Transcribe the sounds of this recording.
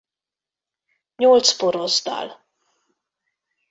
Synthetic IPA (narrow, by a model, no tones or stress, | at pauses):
ɲolt̪spoɾozd̪ɑ̰l